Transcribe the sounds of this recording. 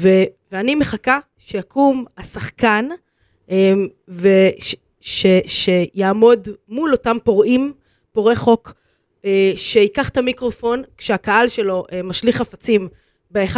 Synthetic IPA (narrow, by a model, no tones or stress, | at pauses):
veveanimeχaka | ʃejakʰumasaχkan | ʔe | veʃ | ʃeʃe̞jaːmo̞dmulo̞tampo̞ʁʔim | po̞ʁeχo̞k | eʃeikaχtamikʁo̞fo̞nkʃeakaalʃe̞lo̞ʔemaʃliχafat͡sim | beeχa